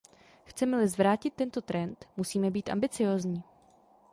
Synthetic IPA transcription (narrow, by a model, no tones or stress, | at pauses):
xt͡sɛmɛlɪzvɾaːcɪt̪ːɛnt̪o̞t̪ɾɛnt̪musiːmɛbiːt̪ʔa̰mbɪt͡sɪjoːzɲiː